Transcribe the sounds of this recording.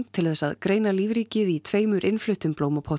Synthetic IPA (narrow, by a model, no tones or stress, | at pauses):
mt̪ʰɪlθɛsːaðkɾeːjnaliːvɾiːcɪðit̪ʰveːjmʏɾʔɪnflʏht̪ʏmploːwmapʰɔ